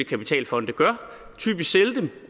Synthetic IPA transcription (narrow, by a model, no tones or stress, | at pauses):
ikʰæpi̥t͡sʰɛ̰ːlfɒ̽n̰d̥əɡ̥ɶɐ̰ | t͡sʰy̰ːb̥isseld̥em